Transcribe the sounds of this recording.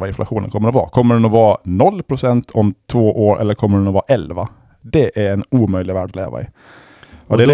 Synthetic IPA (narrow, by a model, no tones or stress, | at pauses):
vaɪnflʔaɧuːnə̰nkʰɔmːəɾɔvɑ̰ːkʰɔmːəɖɛnɔvɑːnɔlːpʰɾʊsɛnt̪ʰɔmt̪ʰvoːʔoːɾʔɛ̰lːəɾkʰɔmːəɖɛnɔvɑːʔɛlva | d̪ɛʔæɾɛnuːmœjlɪɡvæːɖlḛːva̰ɪ̰ | ɔd̪ɛ